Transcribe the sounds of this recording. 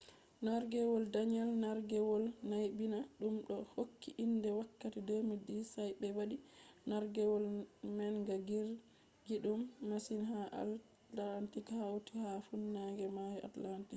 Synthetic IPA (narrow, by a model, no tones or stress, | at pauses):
naɾɡɛwɔldaɲɛlnaɾɡɛwɔlnajbinaɗumɗɔhokːiʔindɛwakːatidomidisajbɛwaɗinaɾɡɛwɔlmɛnɡaɡiɾ | ɡiɗumːasinɦaʔa̰l | antikhawtihafunːaɡɛmajʔa̰tlantik